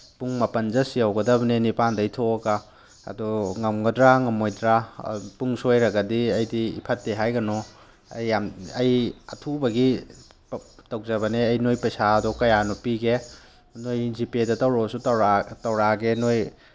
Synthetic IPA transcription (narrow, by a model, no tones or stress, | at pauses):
puŋmɐpɐnzɐsiawɡɐdɐbɐnenipandajtʰoɡa | ɐ̰dɔŋɐmɡɐdɾaŋɐmojdɾapuŋsojɾɐɡɐdiɐjdḭːpʰɐtːeɦajɡɐnɔ | ɐ̰jːamɐjɐ̰tʰubɐɡi | tɐwzɐβɐneɐjnojpɐjsaːdɔkɐjanɔpiɡe | nojzipedɐtɐwɾɔsutwɾatɐwɾaɡenoj